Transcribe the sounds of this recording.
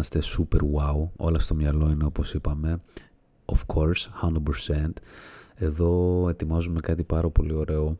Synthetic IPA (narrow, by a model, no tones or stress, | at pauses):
ɐst̪e̞supeɾwawo̞̰lɐst̪o̞mɲɐlo̞ine̞o̞po̞sipɐme̞ | ofkʰoɾshɐnd̪udpeɾse̞nt̪e̞ðo̞e̞t̪imɐzume̞kɐt̪ipɐɾɐpo̞lio̞ɾe̞o̞